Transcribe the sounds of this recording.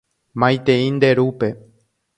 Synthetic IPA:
mãj̃t̪eĩnd̪e̞ɾupe̞

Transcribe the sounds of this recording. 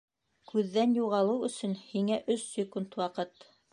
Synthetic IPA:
kʰʉðːænjuʁɑlˠɤwɵ̆sɵ̆nhiŋæʔɵsːɪkunt̪wɑqɤt̪

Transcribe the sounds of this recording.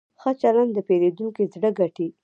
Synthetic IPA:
xət͡ʃaland̪d̪əpeɾed̪uŋkezɽəɡaʈi

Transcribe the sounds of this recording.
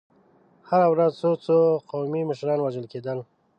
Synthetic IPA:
haɾawɾazt͡sot͡soqawmiməʃɾɑnwaʒəlked̪əl

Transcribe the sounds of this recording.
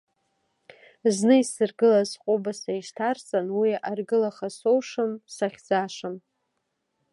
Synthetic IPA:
znɨisɨrɡɨlazqʷʼʊbasaiʃtʰart͡sʼanwiarɡɨlaχasowʂɨmsaχʲd͡zaʂɨm

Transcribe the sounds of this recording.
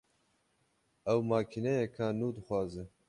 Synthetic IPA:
ɛwmaːkʰinɛjɛkʰanuːd̪ɨxʷwɑːzɨ

